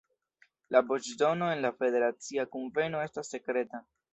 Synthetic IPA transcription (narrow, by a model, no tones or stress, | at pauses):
labot͡ʃdo̞no̞e̞nlafe̞de̞ɾat͡siakonve̞no̞e̞stasːe̞kɾe̞ta